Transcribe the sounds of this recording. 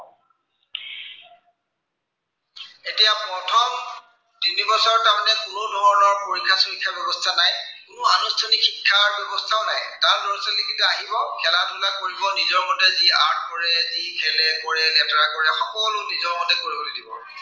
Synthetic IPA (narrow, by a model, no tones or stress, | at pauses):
etijapɹɔtʰɔm | tinibɔsɔɹtamanɛkuɹodʱɔɹɔnɔɹpoɹikʰːasɔxikʰːabɛbɔstʰanajkʊnʊanustʰanikxikʰːaɹbɛbɔstʰaʊnajtaɹdɔɹsɛlekʰituaɦibaʊkʰɛlatulakkoɹibɔnizɔɹmɔtɛzia̰ɹtkɔɹɛzikʰɛlɛkɔɹɛlɛtɔɹakɔɹɛxɔkɔlʊnizɔɹmɔtɛkoɹibolidibɔ̰